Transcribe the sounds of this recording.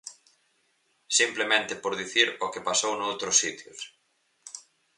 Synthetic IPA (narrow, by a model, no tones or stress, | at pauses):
simplemẽnt̪ɪpoɾðiθiɾokepasownowt̪ɾʊsːit̪jʊs